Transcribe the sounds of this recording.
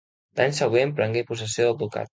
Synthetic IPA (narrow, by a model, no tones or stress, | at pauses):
d̪aɲsəɣwempɾəŋɡepus̬əsioðəbβuka̰t̪